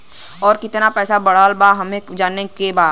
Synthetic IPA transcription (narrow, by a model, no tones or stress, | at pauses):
ɔːɾkɪt̪napɛːsabɐɽ̤aːlbaɦɐmẽd͡ʒaːnːekebaːd̪